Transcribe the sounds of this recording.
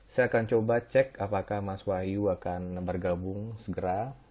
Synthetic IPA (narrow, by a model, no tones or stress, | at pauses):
sajakant͡ʃobat͡ʃɛkapakahmaswahiuakanbərɡabʊŋsəɡəɾa